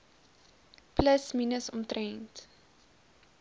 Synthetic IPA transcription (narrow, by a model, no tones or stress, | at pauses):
pləsminəsɔmtrɛnt